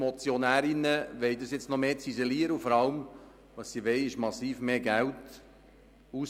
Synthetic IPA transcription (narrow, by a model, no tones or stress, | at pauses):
mɔt͡sjɔnæːɾɪnəʋɛɪdɑsjɛt͡snɔmeːt͡sizɛliːəɾəufɔɾɑlm | ʋɑsːiʋɛɪɪʃmɑsiːfmeːɡælt | uːs